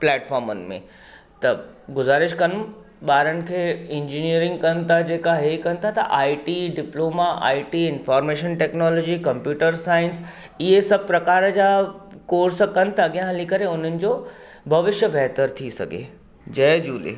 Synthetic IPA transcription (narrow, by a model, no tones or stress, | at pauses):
plɛːʈfɔːɾmʊnɪ̆mḛ̃ | t̪ɐɡʊzaːɾɪʃkɐn | ɓaːɾənɪ̆kʰeːɪ̃ɲd͡ʑiniəɾɪ̃ŋɡ̚kɐnɪ̆t̪ʰad͡ʑeːkaɦekɐnɪt̪ʰat̪ɐʔaːiʈiːɖɪploːmaʔa̰ːiʈiːɪ̃nfɔːɾmeːʃənʈeːknɔːlɔːd͡ʑiːkɐ̃mpjuːʈəɾsaːɪ̃ns | ɪɦesɐb̚ʱpɾɐkaːɾəd͡ʑaːkoːɾsəkɐnɪ̆t̪ʰaɐɠijãɦɐlikɐɾeʊn̤ənɪ̆d͡ʑo | bʱɐʋɪʃjəbʱɛɦt̪əɾt̪ʰisɐ̰ɡʱḛ | d͡ʑɐːd͡ʑṵːlḛ